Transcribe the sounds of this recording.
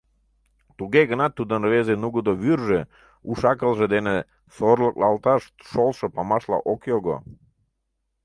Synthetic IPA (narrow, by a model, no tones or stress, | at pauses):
t̪uɡeɡənɑt̪ːud̪ənvezenuɡod̪oβyrʒe | uʃɑkəlˠʒed̪ene | sorləklɑlt̪ɑʃt̪ʃolʃə̆pɑmɑʃlɑ̰ʔokjoɡo̰